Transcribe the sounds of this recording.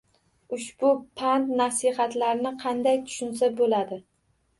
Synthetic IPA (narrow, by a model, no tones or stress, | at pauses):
ʊʃbʊpʰant̪nasɪɦat̪laɾɪnɪqʰɑnd̪ajt̪ʰʊ̥ʃʊns̬abolad̪ɪ